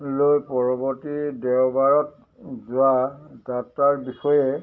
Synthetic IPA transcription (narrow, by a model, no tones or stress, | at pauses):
lojpɔɹɔbɔtidɛwbaɹɔt̚ | zʊadataɹbixɔjɛ